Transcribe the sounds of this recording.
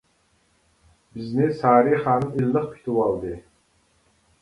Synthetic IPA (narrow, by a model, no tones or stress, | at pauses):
bɪznɪsɑːɾiχɑːnɨnilːɨχpʰi̥t̪ʰuwɑlˠd̪ɨ